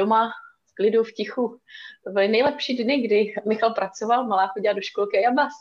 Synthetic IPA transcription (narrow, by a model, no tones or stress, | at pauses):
omasklɪdufcɪxubɪlɪnɛjlɛpʃiːdnɪɡdɪmɪxalpɾat͡sovalmalaːxoɟɪladoʃkolkɪajabas